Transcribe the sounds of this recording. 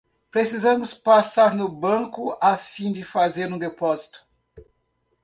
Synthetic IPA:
pɾesizɐ̃mʊspasaɾnʊbɐ̃kʊafĩd͡ʒɪfazeɾũd̪epɔzit̪ʊ̥

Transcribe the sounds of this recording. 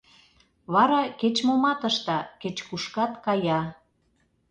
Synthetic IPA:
βɑɾɑket͡ɕmomɑt̪əʃt̪ɑket͡ɕkuʃkɑt̪kɑjɑ

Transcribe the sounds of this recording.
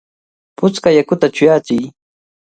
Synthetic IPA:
pʊt͡skajakʊt̪at͡ʃʊjaːt͡ʃɪj

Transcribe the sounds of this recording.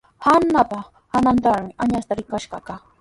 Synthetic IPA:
hanːapa | hanant̪aɾmɪʔaɲast̪aɾɪkaʃɢɑka

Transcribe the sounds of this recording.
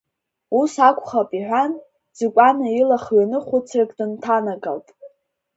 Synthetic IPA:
usakʷʰʼχapʼiħᶣʷan | d͡zɨkʷʼanailaχlanɨχʷʊt͡sʰrakʼdɨntʰanakʼa̰ltʼ

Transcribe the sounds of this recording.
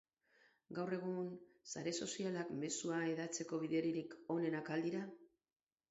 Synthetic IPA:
ɡawre̞ɣ̞unsaɾe̞so̞sialakme̞suae̞ðat͡se̞ko̞βiðe̞ɾiɾiko̞ne̞nakald̪iɾa

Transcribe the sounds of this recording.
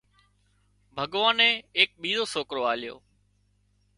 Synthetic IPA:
bʱəɠʋaːnẽːeːk̚ɓiːzoːsoːkɾoːaːlɪjo̰ː

